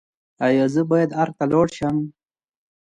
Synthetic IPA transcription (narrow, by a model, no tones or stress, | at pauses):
ajozəbajad̪aɾt̪aloːɽʃam